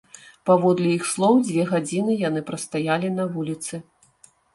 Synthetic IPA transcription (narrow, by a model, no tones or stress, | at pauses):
pavɔd̪lʲɛjixslˠɔwd͡zʲvʲɛɣad͡zʲinɨjanɨpɾɐst̪ajalʲinɐvulʲit̪sɨ